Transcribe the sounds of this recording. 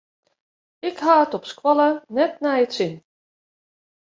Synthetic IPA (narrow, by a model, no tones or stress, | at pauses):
ɪkɦaːətɔpskwɑlˠənɛtnajətsɪn